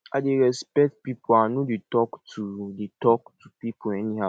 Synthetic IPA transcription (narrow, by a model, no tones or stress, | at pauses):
aɪdeɾɛspɛk̚t̚pipoanodetɔktʰudetɔktupipoɛniɦa